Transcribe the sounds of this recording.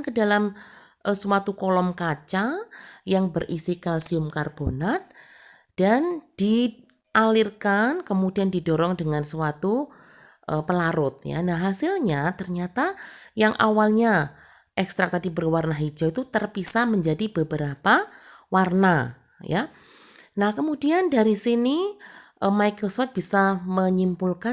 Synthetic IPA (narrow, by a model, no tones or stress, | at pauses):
nkədalam | ʔəsuwat̪ukɔlɔmkat͡ʃajaŋbərʔisikalsiʊmkarbonat̪̚ | d̥and̥i | ʔalɪrkankəmudiandidɔɾɔŋdəŋansuwat̪u | ʔəpəlaɾʊt̪̚ja̰naɦasɪlɲat̪ərɲat̪ajaŋʔa̰walɲa | ʔɛkst̪ɾak̚t̪adibərwarnaɦid͡ʒait̪ut̪ərpisaməɲd͡ʒadibəbəɾapawarna | ja | nahkəmudiandaɾisiniʔəmajkɾosɔt̪̚b̥isaməɲimpulka